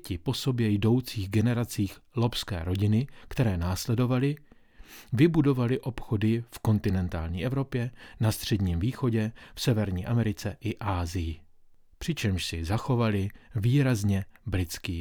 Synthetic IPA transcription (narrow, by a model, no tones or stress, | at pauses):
cɪpo̞so̞bjɛjdo̞wt͡siːɣɡɛnɛɾat͡siːxlo̞pskɛ̰ːɾo̞ɟɪnɪkt̪ɛɾɛːnaːslɛdo̞valɪ | vɪbudo̞valɪʔo̞pxo̞dɪfko̞nt̪ɪnɛnt̪a̰ːlɲḭːʔɛvɾo̞pjɛnast̪r̝̥ɛdɲiːmviːxo̞ɟɛfsɛvɛɾɲiːʔamɛɾɪt͡sɛʔɪʔaːzɪjɪ | pr̝̥ɪt͡ʃɛmʃsɪzaxo̞valɪviːɾazɲɛbɾɪt͡skɪ